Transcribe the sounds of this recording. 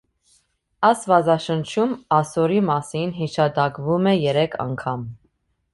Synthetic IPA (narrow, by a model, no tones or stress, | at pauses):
ɑsvɑzɑʃənt͡ʃʰumɑsɔɾimɑsinɦiʃɑd̪ɑkvumɛjɛɾɛkʰɑ̰ŋkʰɑm